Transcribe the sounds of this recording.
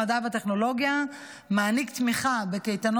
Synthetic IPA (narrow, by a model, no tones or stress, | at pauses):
ad̪avat̪e̞χno̞lo̞ɡja | maːnikt̪miχabe̞kejt̪ano